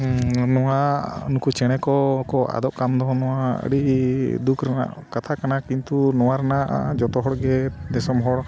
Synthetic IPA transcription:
nɔwanukut͡ʃɛɽ̃ɛkɔkɔa̰d̪ɔʔkamd̪ɔnɔwaə̰ɽiʔd̪ukʰɾana̰ʔkat̪ʰakanakint̪unɔwaɾɛnaʔd͡ʒɔt̪ɔɦɔɽɡɛd̪ɛsɔmɦɔɽ

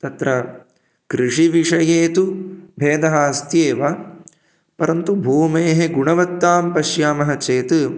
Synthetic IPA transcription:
t̪ɐt̪ɾɐ | kɾiʂiʋiʂɐjeːt̪ubʱeːd̪ɐɦaːst̪jeːʋa | pɐɾɐnt̪ubʱuːmeːɦeɡuɳɐʋɐt̪ːaːmpɐʃjaːmɐɦɐt͡ʃeːt̪ɨ

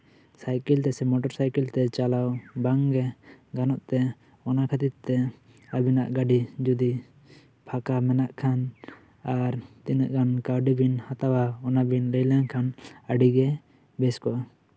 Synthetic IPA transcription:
sajkɛlt̪ɛsɛmɔʈɔɾsajkɛlt̪ɛt͡ʃalawbaŋɡɛɡanɔʔt̪ɛ | ɔnakʰat̪it̪̚t̪ɛ | abinaʔɡaɖid͡ʒud̪i | pʰakamɛnaʔkʰan | aɾt̪inəʔɡankawɖibinhat̪awaɔnabinɾɛjlaŋkʰanəɖiɡɛ | bɛskɔʔa

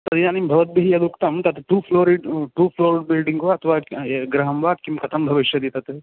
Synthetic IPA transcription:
t̪ɐd̪iaːnimbʱɐʋɐt̪̚bʱiɦijɐd̪ukt̪ɐmt̪ɐt̪ʈuːpʰloːɾiɖʈuːpʰloːɾiɖ̚bilɖiŋɡoɐt̪ʰɐʋaːeɡɾɐɦɐmʋaːd̪̚kimkɐt̪ʰɐmbʱɐʋiʃjɐd̪it̪ɐt̪e

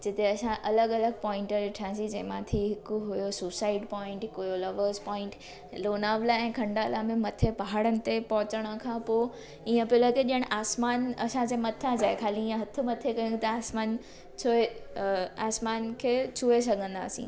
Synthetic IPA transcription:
d͡ʑɪt̪eɐsãʔɐləɡɐləɡ̚pɔ̃ːɪ̃ɳʈəɾɪʈʰiãːsĩd͡ʑɐ̃ɦɪ̃mãt̪ʰiɦɪkʊɦʊjosusaːɪɖpɔ̃ːɪ̃ɳʈɦɪkʊjolɐʋəzpɔ̃ːɪ̃ɳʈ | loːnaːʋlaɛ̃ːkʰɐ̃ɳɖalaːmẽmɐt̪ʰepɐɦaːɽənɪ̆t̪epɐɦʊt͡ɕəɽ̃əkʰãpo | iːə̃pɪləkeɗijəɽ̃ʔaːsmaːnɐsãd͡ʑeːmɐt̪ʰad͡ʑaːekʰaːliiːə̃ɦɐt̪ʰʊmɐt̪ʰekɐjũt̪ɐaːsmaːn | t͡ɕʰoe | aːsmaːnkʰeːt͡ɕʰuesɐɡʱə̃nd̪a̰ːsḭ̃ː

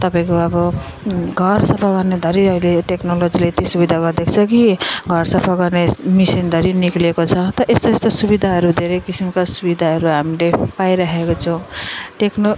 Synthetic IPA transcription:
t̪ʌpaĩkoʌbʌ | ɡʱʌrsʌpʰaɡʌrned̪ʱʌɾiʌileʈeknolod͡zilajt̪isubid̪ʱaɡʌrd̪ekʰt͡sʰʌkiɡʱʌrsʌpʰaɡʌrnemisind̪ʱʌɾiniklekot͡sʰʌt̪ʌʌʔest̪oest̪osubid̪ʱaɦʌɾud̪ʱeɾekisimkasubid̪ʱaɦʌɾuɦamilepajɾʌɦekot͡sʰʌw̃ʈekno

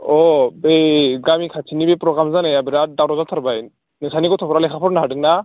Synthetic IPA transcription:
ɔbeɡamikʰat͡ʃʰinibepɾɔɡɾamzanɛjabiɾadawɾɔzalt̪ʰaɾbaj | nɛsʰanikɔt̪ʰɔpʰɔɾalɛkʰapʰɔɾnaɦadɯŋna

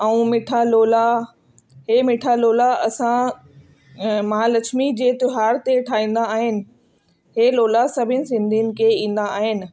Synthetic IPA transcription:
ɛũmɪʈʰaloːla | ɦeːmɪʈʰaloːlaɐsã | mɐɦaːlɐt͡ʃʰmid͡ʑeːt̪ʊɦaːɾt̪eʈʰaːĩːn̆d̪aːɦɪnɪ̆ | ɦeːloːlasɐbʱɪnɪ̆sɪ̃nd̪ʱinɪ̆kʰeĩːn̆d̪aaːɦɪnɪ̆

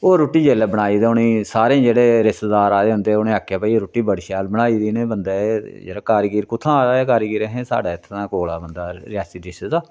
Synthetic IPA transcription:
oːɾoːʈːiːd͡ʒeːlaːbəɽ̃aːiːd̪eːʊnẽːsaːɾẽːd͡ʒeːɽeːɾɪst̪d̪aːɾaːd̪eːɦʊ̃nd̪eːʊnẽːaːkʰːjaːpaːiɾoːʈːiːbəɽʃaːlbəɽaːiːd̪iːnẽːbənd̪aːed͡ʒḛːɽaːkaːɾɡiːɾkʊt̪ʰːãːaeːk̬aːɾɡiːɾeːɦẽːsa̰ːɖaːɪt̪ʰːnãːkoːlaːbənd̪aːɾɪjaːsid̪ɪsed̪aː

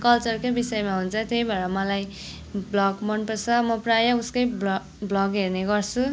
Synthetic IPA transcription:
kʌlt͡sʌrkobisʌjmaɦunt͡sʰʌt̪jejbʱʌɾʌmʌlaj | blʌɡmʌnpʌsʰʌmʌprajʌuskʌjb | blʌɡɦerneɡʌrt͡sʰu

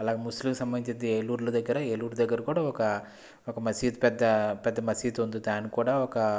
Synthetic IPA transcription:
ɐlaːɡeːmuslimkusɐmbɐniɲt͡ʃɐnd̪ieːluːɾlud̪ɐɡːɐɾɐeluːɾd̪ɐɡːɐɾɐkuːɽaːɔkɐ | ɔkɐmɐsiːt̪pɛd̪ːɐpɛd̪ːɐmɐsiːt̪und̪ud̪aːnikuːɽaːɔkɐ

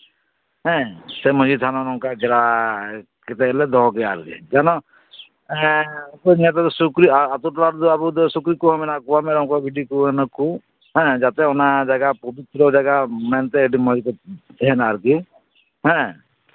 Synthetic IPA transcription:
ɦɛ̃semɔd͡ʒit̪ʰanɔɾɔŋkaɡɛɾa | kɛt̪ɛːlɛd̪ɔɦɔɡɛaɾɡḭd͡ʒanɔ | ɛkɔnɛt̪̬at̪ɔsukɾiaat̪uʈlaɾd̪ɔabud̪ɔsukɾikuɦɔminakubameɾɔŋkɔbʱiɖikuenɔku | ɦɛ̃d͡ʒat̪eɔnad͡ʒaɡapɔbit̪ɾɔd͡ʒaɡamɛnt̪ɛːɖimɔd͡ʒit̪ɔd̪ɛɦɛnaɾɡi | ɦɛ̃

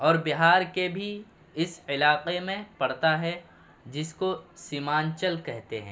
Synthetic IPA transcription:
ɔːɾbɪɦaːɾkebʱi | ɪsɪlaːqemẽpɐɽt̪aɦɛ | d͡ʒɪskosiːmaːnt͡ʃəlkɛɦt̪eɦɛ̰̃ː

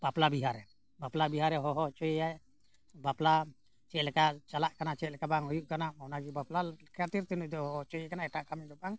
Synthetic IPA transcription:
b̥aplabiɦaɾɛ | baplabiɦaɾɛɦɔɦɔt͡ʃɔjɛjaj | bapla | t͡ʃɛt̪lɛkaʔt͡ʃalaʔkanat͡ʃɛt̪lɛkabaŋɦɔjuʔkanaɔnaɡibaplakʰiat̪iɾt̪inuʔd̪ɔɦɔɔt͡ʃɔjɛkanaɛʈaʔkamɛd̪ɔbaŋ

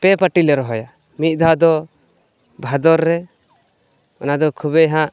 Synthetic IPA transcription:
pɛpaʈilɛɾɔɦɔja | mit̪̚ˀd̪ʱad̪ɔ | bʱad̪ɔɾːɛ | ɔnad̪ɔkʰuβɛɦãʔ

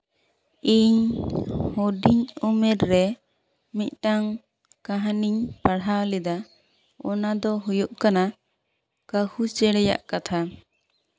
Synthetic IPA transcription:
iɲ | hoɖiɲumɛɾːɛ | mit̪̚ˀʈaŋ | kaɦaniɲpaɽawlid̪a | ɔnad̪ɔɦujuʔkana | kahut͡ʃɛɽɛja̰ʔkat̪ʰa

